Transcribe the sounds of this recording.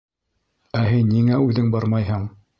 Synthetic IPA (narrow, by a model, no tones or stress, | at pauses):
æɦinːiŋæʉðɘŋbɑɾmɑjɦɤɴ